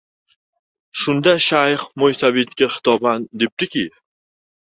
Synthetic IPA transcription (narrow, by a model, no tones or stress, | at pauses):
ʃʊnd̪aʃajχmojsavet̪kʲaχɪ̥t̪ʰɒband̪e̞p̚d̪ɪkʲi